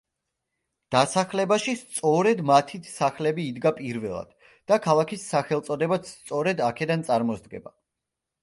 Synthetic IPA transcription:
d̪̥asaχlɛbaʃist̪sʼɔɾɛd̪mat̪ʰit̪ʰsaχlɛbiːd̪ɡapʼiɾvɛlˠa̰d̪̥ | d̪̥akʰalˠakʰisːaχɛlˠt̪sʼɔd̪ɛbat̪st̪sʼɔɾɛd̪akʰɛd̪ant̪sʼaɾmɔsd̪̚ɡɛ̰ba

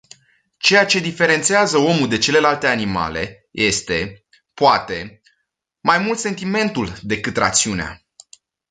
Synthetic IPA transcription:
t͡ʃe̞jat͡ʃe̞d̪ife̞ɾe̞nt̪siazəo̞mud̪e̞t͡ʃe̞le̞lalt̪e̞anima̰le̞̰ | jʔe̞st̪e̞ | poat̪e̞ | majmult̪se̞nt̪ime̞nt̪uld̪e̞kɨt̪ra̰t̪siunea̰

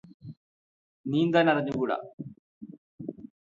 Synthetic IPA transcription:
niːnd̪aːnɐriɲːukuːɽɐ̰

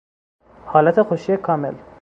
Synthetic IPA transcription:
hɒːlæt̪ʰexoʃijekʰɒːmḛl

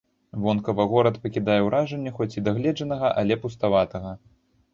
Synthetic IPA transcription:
vɔnkɐvɐɣɔɾɐt̪pɐkʲid̪ajɛwɾʔaʐɛnʲːɐxɔt͡sʲid̪aɣlʲɛd͡ʐɐnɐɣɐʔalʲɛpust̪avat̪ɐɣɐ

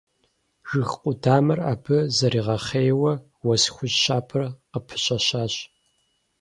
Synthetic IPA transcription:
ʒ̥ɨxqʷʼʊdaːmɐra̰ːbʰɨzɐɾiːʁɐχeːjwɐ | wɐsxʷʊʑɕaːpʰɨrqəpʰɨ̥ɕʼɐɕaːɕ

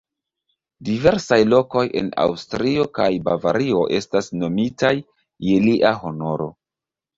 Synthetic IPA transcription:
dive̞ɾsajlo̞ko̞je̞̰na̰wstɾio̞kajbavaɾio̞ʔe̞stasno̞mitajː | eliʔaɦo̞no̞ɾo̞̰

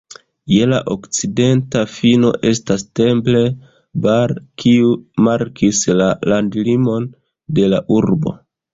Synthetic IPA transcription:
je̞la̰ʔo̞kt͡side̞ntafino̞̰ʔe̞staste̞mple̞ | baɾkʰiumaɾkʰislalandlimo̞n | de̞laʔuɾbo̞̰

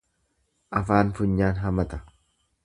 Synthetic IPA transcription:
ʔɐfaːnfʊɲːaːnɦɐmɐt̪ɐ̥

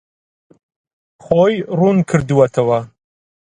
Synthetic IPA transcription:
χojrunkʰɨɾdɨwɐtʰɐwa

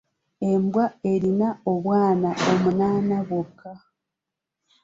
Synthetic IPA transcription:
e̞mbwaeɾinaoβwaːnaomunaːnaβwokʰːa

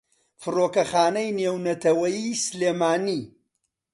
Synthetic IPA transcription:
fɨroːkɐxaːnɐjneːwnɐt̪ʰɐwɐjisɨleːmaːniː

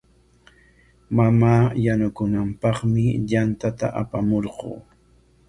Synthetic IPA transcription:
mamaːjanʊkʊnampɑχmɪʎant̪at̪a̰ʔapamoɾɢo̰ː

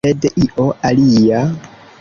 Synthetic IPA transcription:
edeʔiʔoalija

